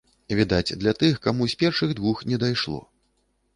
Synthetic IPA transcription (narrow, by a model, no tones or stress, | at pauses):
vʲid̪at͡sʲd̪lʲɐt̪ɨxkamusʲpʲɛrʂɨɣd̪vuxnʲɛd̪ajʂlˠɔ̰